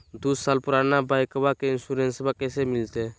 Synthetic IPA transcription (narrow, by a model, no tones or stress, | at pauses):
d̪usaːlpʊɾanabajkəbakeɪnsuɾẽnsbakɛsemɪlt̪e